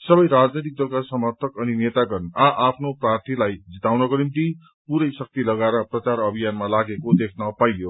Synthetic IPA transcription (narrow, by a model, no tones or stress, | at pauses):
sʌbʌjɾad͡znʌjt̪̬ik̚d̪ʌlkasʌmʌrt̪ʰʌkʌninet̪aɡʌrnaʔapʰnoprart̪ʰilajd͡zit̪awnʌkoɾint̪i | puɾʌjsʌk̚t̪ilʌɡaɾʌprʌt͡saɾʌbʱijanmalaɡekod̪ekʰnʌpajjo